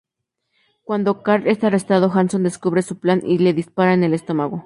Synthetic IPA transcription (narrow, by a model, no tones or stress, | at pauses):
kwand̪o̞kaɾest̪arest̪aðoxansond̪e̞skuβɾesuplanile̞ðispaɾaene̞le̞st̪o̞maɣo